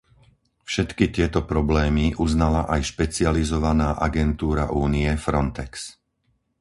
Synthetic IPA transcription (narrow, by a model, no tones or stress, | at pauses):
fʃɛt̪kit̪ɪɛt̪ɔpɾɔblɛːmiʔuznalaʔajʃpɛt͡sɪalizɔʋanaːʔaɡɛnt̪uːɾaʔuːniɛfɾɔnt̪ɛks